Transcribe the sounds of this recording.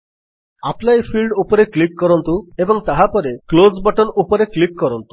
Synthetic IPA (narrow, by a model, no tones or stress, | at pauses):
aplajpʰilɖupɔɾeklikːɔɾɔnt̪uebɔŋt̪aɦapɔɾeklozbɔʈɔnupɔɾeklikkɔɾɔnt̪u̥